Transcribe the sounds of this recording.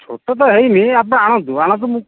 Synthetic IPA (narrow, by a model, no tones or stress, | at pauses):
t͡ʃʰo̰ʈɔt̪̬ɔɦejmiap̬ɽ̃ɔaɽ̃ɔ̃nt̪uaɽ̃ɔ̃nt̪̬umũ